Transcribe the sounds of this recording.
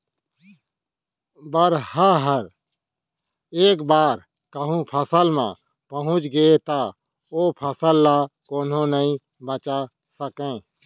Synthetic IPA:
bəɾhəɦəɾ | eːkbaːɾ | kəɦũpʰəsəlmã̰ː | pəɦʊ̃t͡ʃɡəet̪aː | oːpʰəsəlːaːkoːnɦõnəĩ | bət͡ʃa | səkẽː

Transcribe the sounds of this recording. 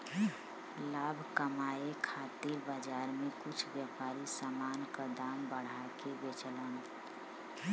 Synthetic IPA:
labʱkəmaekʰat̪iɾbəd͡ʒaɾmekut͡ʃʰbjəpaɾisamankəd̪ambəɽ̤akebet͡ʃələn

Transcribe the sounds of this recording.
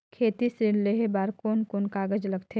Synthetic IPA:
kʰeːt̪isɾɪnleɦebaːɾkoːnkoːnkaːɡəd͡ʒlɐɡt̪ʰe

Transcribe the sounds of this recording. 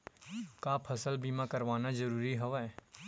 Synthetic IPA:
kapʰɐsəlbiːmakəɾʋaːnad͡ʒəɾuːɾiɦoʋa

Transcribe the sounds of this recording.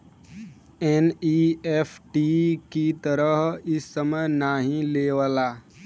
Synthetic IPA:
eniepʰʈikit̪əɾəɦɪsːəməjnaɦĩleːʋəlaː

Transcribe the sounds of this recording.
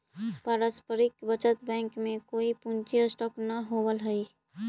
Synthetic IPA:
paɾəspəɾɪkbət͡ʃət̪bɛ̃ːŋkmẽkoːipũnt͡ʃiəsʈɔːknəɦowəlɦəi

